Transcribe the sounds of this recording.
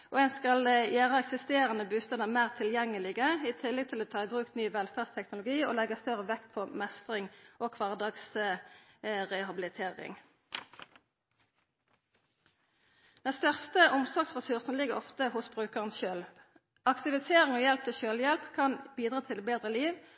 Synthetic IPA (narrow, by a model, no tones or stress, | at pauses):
ʔo̰ɛnskɑljæːʁəɛksɪst̪eːʁənəbʉːst̪ɛːnəmæːʁt̪ʰɪljɛŋːəlɪɡəiːt̪ʰɪlːɛɡt̪ʰɪloːt̪ʰɑːɪbʁʉːk̚t̪nyːʋɛlfæːʁdst̪ʰɛknʊlʊɡiːo̰ːlɛɡəst̪œʁəʋɛkt̪̚pʰomɛst̪ʁɪŋʔoːkʰʋɑːʁd̪ɑːɡs | ʁɛhɑbɪlɪt̪ʰeːʁɪ̰ŋ | d̪̥ɛnst̪œʁst̪əʔʊmsɔɡsʁɛsʉʁsn̩lɪɡəʁɔft̪əhʊsbʁʉːkəʁənsʃøːl | ʔɑkt̪ɪʋɪseːʁɪŋoːjɛlp̚t̪ʰɪlʃøːljɛlpkʰɑnbiːd̪ʁɑːt̪ʰɪlbeːd̪ʁəliːʋ